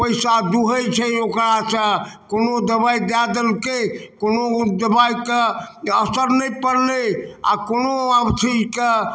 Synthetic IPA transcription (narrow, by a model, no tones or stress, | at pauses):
pəjsad̪uɦəjt͡ʃʰəokɾasə̃konod̪əβaid̪ad̪əlkekonod̪əbajkeəsəɾnəjpəɾlea̰konoabt͡ʃʰid͡ʒke